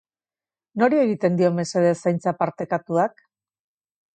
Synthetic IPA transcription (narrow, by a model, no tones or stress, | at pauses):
no̞ɾie̞ɣit̪e̞nd̪io̞me̞seðesajnt͡sapaɾt̪e̞kat̪uak